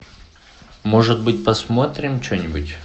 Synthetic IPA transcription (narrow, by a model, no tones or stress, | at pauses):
moʐɨt̪̚bɨtʲpɐsmo̞t̪ɾʲɪmt͡ɕɵnʲɪbʊtʲ